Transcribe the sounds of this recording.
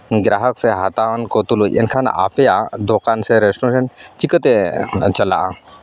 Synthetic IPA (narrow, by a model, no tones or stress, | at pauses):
ɡɾaɦəkseɦat̪aʋənkot̪uluḛnkʰan̰a̰pʰejad̪okanseɾesʈoɕənt͡ʃikət̪et͡ʃəla̰ʔa̰